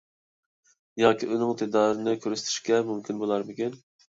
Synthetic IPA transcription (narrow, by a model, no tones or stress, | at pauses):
jɑːkʲiʔønɪŋt̪ʰɪd̪ɑːɾɪnɪkʲʰøɾyst̪ʰɪ̥ʃkʲɛmumkʲʰinbolˠɑɾmɪkʲin